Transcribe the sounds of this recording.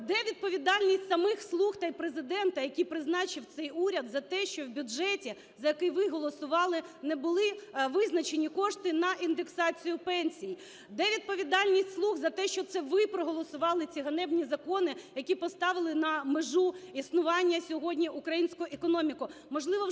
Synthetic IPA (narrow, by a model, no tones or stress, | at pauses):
d̪ɛʋʲid̪̚pɔʋʲid̪ɑlʲnʲisʲtʲsɐmɪxslˠuxt̪ɑjpɾezɪd̪ɛnt̪ɐjɐkʲipɾɪznɑt͡ʃɪwt̪sɛjuɾʲɐd̪zɐt̪ɛʃt͡ʃɔwbʲʊɛtʲi | zɐjɐkɪjʋɪɦɔlˠɔsʊʋɑlˠɪnebʊlˠɪʋɪznɐt͡ʃenʲikɔʂt̪ɪnɐind̪eksɑt͡sʲijʊpɛnʲsʲiji | d̪ɛʋʲid̪̚pɔʋʲid̪ɑlʲnʲisʲtʲslˠuɣzɐt̪ɛʃt͡ʃɔt̪sɛʋɪpɾɔɦɔlˠɔsʊʋɑlˠɪt͡sʲiɦɐnɛbnʲizɐkɔnɪjɐkʲipɔst̪ɑʋɪlˠɪnɐmeʒuisnʊʋɑnʲːɐsʲɔɦɔdʲnʲiʔʊkɾɐjinʲsʲkʊjʊʔekɔnɔmʲikʊmɔʒlˠɪʋɔ